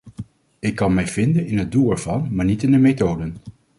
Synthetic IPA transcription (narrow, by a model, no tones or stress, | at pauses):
ɪkːɑnmɛjv̥ɪndənɪnɦət̚dulˠɛɹv̥ɑnmaːɹnitɪndəmetowdən